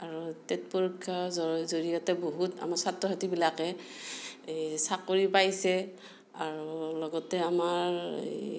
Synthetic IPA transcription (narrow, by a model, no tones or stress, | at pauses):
aɹutetpɔɹikʰːazɔzoɹijɔtɛboɦuta̰maɹsatɹɔɦatibilakɛ | sakːoɹipajsɛ | aɹulɔɡɔtɛamaɹ